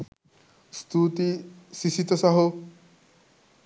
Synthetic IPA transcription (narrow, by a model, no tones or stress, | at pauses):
st̪ut̪isisit̪ɔsaɦo